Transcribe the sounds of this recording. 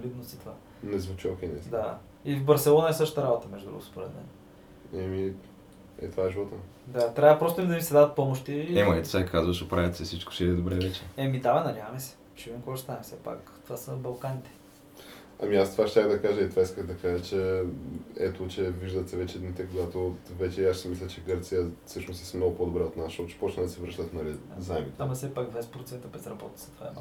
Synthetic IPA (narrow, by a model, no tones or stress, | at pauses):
lid̪nost̪it̪ova | nɛzvut͡ʃiokʲɛnɛd̪a | ivbɐɾsɛlˠɔnɐɛsɤʃə̥t̪əɾabot̪əmɛʒd̪ud̪ɾṵɡʊspoɾɛt̪mɛ̰n | ɛmi | ɛ̰t̪ovaɛʒivɔt̪ən | d̪at̪ɾʲavəpɾɔst̪ʊimd̪ɐmisɛd̪aðət̪̚pɔmoʃt̪iɛmɐɛt̪sɛkʰazvəʃopɾajʲət̪sɛsit͡ʃkʊ̥ʃɛd̪ɛd̪obɾɛvɛt͡ʃɛɛmid̪avɛnɐdʲjavəmɛsɛ̥ | ʃiviɛmkoɡɔst̪anɛfsɛpa̰k | t̪ovasəbɐlˠkanʲit̪ɛ̥ | ɐ̰miast̪ovaʃt̪ʲaxɣd̪ɐkaʒəit̪vaiskəɣd̪ɐkaʒət͡ʃɛ | ɛt̪ot͡ʃɛviʒd̪ət̪sɛvɛt͡ʃɛd̪nit̪ɛkoɡat̪ovɛt͡ʃɛaʃsɛmislʲət͡ʃɛɡɤɾt̪sijəsɤʃnosɛsmnoɡʊpod̪obɾɛot̪naʃɔt͡ʃɛ̥pɔt͡ʃnəd̪ɐsɛvɾɤʃt̪ət̪nɐlizaɛmit̪ɛɐmɐsɛpak̪vɛspɾot̪sɛnt̪əbɛzɾɐbɔt̪ə̥sɐ̥t̪va̰